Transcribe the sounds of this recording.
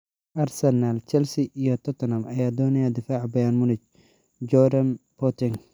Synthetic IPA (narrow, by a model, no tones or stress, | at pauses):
ʔɐrsɛnalt͡ʃɛlsɪʔijɔt̪ʰɔt̪ʰɔnɐmɐjaːd̪ɔːnɪjad̪ɪfaːʕbɐjaːnmʊnɪt͡ʃ | d͡ʒɔdɐnpʰɔt̪ɪŋ